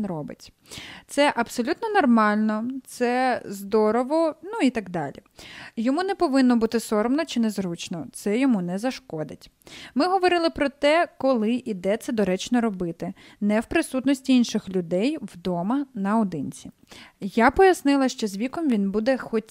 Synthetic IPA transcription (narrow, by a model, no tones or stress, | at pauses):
nɾɔbɪ̰tʲ | t̪sɛʔɐpsɔlʲut̪nɔnɔrmɑlʲnɔt̪sɛzd̪ɔɾɔʋɔnuit̪ɐɡd̪ɑlʲḭjɔmunɛpɔʋɪnːɔbut̪ɪsɔɾmnɔt͡ʃɪnɛzɾut͡ʃnɔt̪sɛjɔmunɛzɐʃkɔd̪ɪtʲ | mɪɦɔʋɔɾɪlˠɪpɾɔt̪ɛkɔlˠɪʔid̪ɛt̪sɛd̪ɔɾɛt͡ʃnɔɾɔbɪt̪ɪ | nɛwpɾɪsut̪nɔsʲtʲiinʃɪxlʲʊd̪ɛjwd̪ɔmɐnɐɔd̪ɪnʲt͡sʲi | japɔjɐsnɪlˠɐʃt͡ʃɔzʲʋʲikɔmʋʲinbud̪ɛxɔtʲ